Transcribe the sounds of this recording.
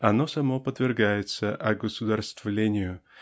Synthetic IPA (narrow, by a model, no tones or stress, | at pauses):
ɐno̞sɐmo̞pəd̪vʲɪrɡajɪt̪səʔɐɡəsʊd̪arst̪vlʲenʲɪjʊ